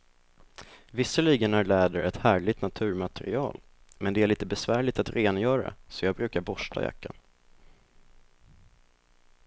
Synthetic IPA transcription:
vɪsəliːɡənæɾɭæːd̪əɾɛt̪hæːɭɪt̪nat̪ʰʉ̟ːɾmat̪ʰɛɾɪɑ̰ːl | mɛnd̪ɛæɭiːt̪əbɛsvæːɭɪt̪at̪ɾeːnjœːɾa̰sɔjɑːɡ̚bɾʉ̟ːkaɾbɔʂʈa̰ja̰kːan

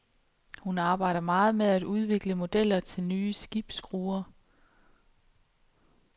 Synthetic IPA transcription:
hunɑ̈ːb̥ɑ̈ɪ̰ɾ̥ɐmɑ̈ːð̞̩ˠmeðˠæd̥uð̞ˠʋe̝ɡ̥ləmo̝d̥el̰ɐt͡sʰe̝lnyːsɡ̥ib̥sɡ̥ʁuːɐ

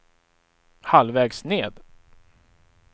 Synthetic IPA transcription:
halvɛːɡsneːd̪

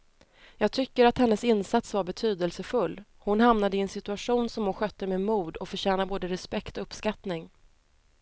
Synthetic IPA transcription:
jɑːɡ̚t̪ʰʏkːəɾat̪hɛnːəsɪnːsat̪svaɾbɛt̪ʰyːd̪əlsəfɵlː | hʊnhamnad̪əɪɛnsɪt̪ɵaɧuːnsɔmhʊnɧœt̪ːəmemuːd̪ɔkfœɕɛːnaboːd̪əɾɛspɛkt̪ɔɵpskat̪nɪŋ

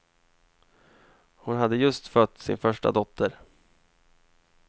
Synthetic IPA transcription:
hʊnɦad̪ːəjɵst̪fœt̪ːsɪ̰nfœʂʈa̰d̪ɔt̪ʰːəɾ

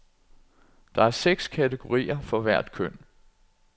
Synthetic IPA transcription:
d̥ɑ̈æɐseɡ̥skʰæt͡sʰeɡ̥o̝ʁḭːɐfɒ̽ʋæɐ̰d̥kʰœn̰

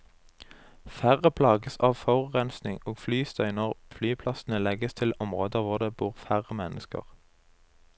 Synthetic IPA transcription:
fæʁəpʰlɑːɡəsɑːʋfɔʁʁɛnsnɪŋoːɡflyːst̪œʏnəʁflyːpʰlɑsn̩əlɛɡəst̪ʰɪlɔmʁoːd̪əʋʊʁd̪eːbuːʁfæʁəmɛnəskə̰ʁ

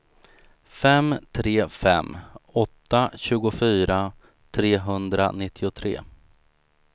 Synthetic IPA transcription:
fɛmt̪ʰɾeːfɛ̰mːɔt̪ːaɕʉ̟ːɡʊfyːɾa | t̪ʰɾeːɦɵnd̪ɾa̰nɪt̪ʰːɪʊt̪ʰɾḛː

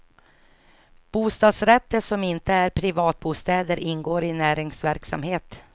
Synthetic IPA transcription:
b̥uːst̪ɑːd̪sɾɛt̪ːəʂɔmɪnt̪əæɾpʰɾɪvɑːt̪̚buːst̪ɛːd̪əɾʔɪnːɡoːɾɪnæːɾɪŋsvæɾksa̰mheːt̪

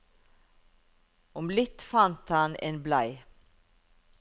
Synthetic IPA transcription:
ɔmlɪt̪fɑnt̪hɑnḛːnblæɪ

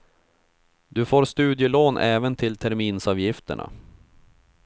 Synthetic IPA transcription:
d̪ɵfoːɾst̪ʉ̟ːd̪jəloːnʔɛːvənt̪ʰɪlt̪ʰæɾmiːnsɑːvjɪft̪ə̰ɳʔa̰

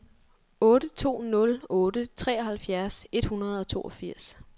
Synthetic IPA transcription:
ɔ̽ːɾ̥ət͡sʰo̝̰ːnɔ̽lɔ̽ːd̥ət͡sʰʁɛ̰ːɒɦhælfjæɐse̝d̥hunɐð̞̩ˠɒ̽t͡sʰo̝̰ːʔɒ̽fiɐ̰s

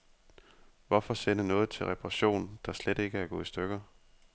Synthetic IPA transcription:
ʋɒfɒ̽sen̰ənɔ̽ːð̩ˠt͡sʰe̝lʁɛpʰʁɑɕo̝̰ːnd̥ɑ̈sled̥e̝ɡ̥əæɐɡ̥ɔ̰̽ːisd̥øɡ̥ɐ

